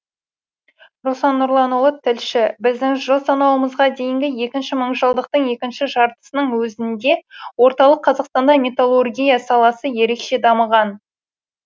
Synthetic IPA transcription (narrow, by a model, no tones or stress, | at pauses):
rosɑnːʊɾlˠɑnolˠət̪ʰːɪlʃɪbɪzd̪ɪŋʒəlˠsɑnɑwəməzʁɑd̪e̞jɪŋɡʲɪje̞kʲɪnʃɪməɴʒəlˠd̪əq̚t̪əɴje̞kʲɪnʃɪʒɑɾt̪ə̥sənəɴwɵzɪnd̪e̞wo̞ɾt̪ɑlˠəqʰːɑzɑqst̪ɑnd̪ɑmʲe̞t̪olˠorɡʲijɑsɑlˠɑsəje̞ɾe̞kʃe̞d̪ɑməʁɑn